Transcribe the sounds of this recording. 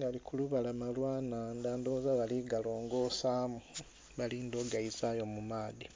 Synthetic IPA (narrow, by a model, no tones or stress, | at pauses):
alikuluβalamalwaːnandaːndozaβaliɡalo̞ːŋɡo̞saːmu | βaliːndoɡaizajomumaːði